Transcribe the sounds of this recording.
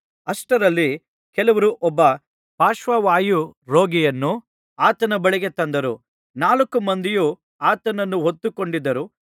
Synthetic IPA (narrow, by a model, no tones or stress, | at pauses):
ɐsʈɐɾɐlːi | kɛlɐʋɐɾuʔɔbːɐ | paːʃʋɐʋaːjuɾo̞ːɡijɐnːu | aːt̪ɐnɐbɐɭiɡet̪ɐnd̪ɐɾu | naːlɐkːumɐnd̪ijuː | aːt̪ɐnɐnːuɦot̪ːukoɳɖid̪ːɐɾu